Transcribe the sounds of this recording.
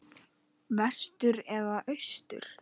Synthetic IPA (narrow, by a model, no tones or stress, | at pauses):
vɛ̥st̪ʏɾɛðaʔœst̪ʏ̰ɾ̥